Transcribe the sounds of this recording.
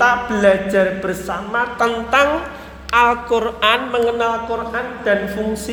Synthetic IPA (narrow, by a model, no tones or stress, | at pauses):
t̪ab̥əlḁd͡ʒa̤rb̥ərsamat̪ənt̪aŋ | ʔalkorʔanməŋənalkorʔand̪̥a̤nfuŋsi